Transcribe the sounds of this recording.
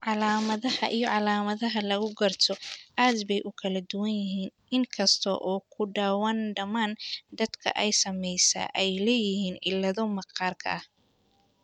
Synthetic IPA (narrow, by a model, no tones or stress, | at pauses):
ʕɑlaːmɐðɐhɐ̰ʔijɔʕɑlaːmɐðɐɦɐlɐɣʊɡɐrt̪ʰɔʔaːd̪bɛjʔʊkʰɐlɐd̪ʊwɐnjɪɦiːnʔɪŋkʰɐst̪ʰɔ̰ʔɔːkʰʊɖaːwaːnɖɐmaːnd̪ɐd̪kʰɐ̰ʔɛjsɐmɛjsa̰ːʔɛjlɛːjɪhiːnɪlːɐðɔmɐqɑːrkʰɐ̰ʔɐh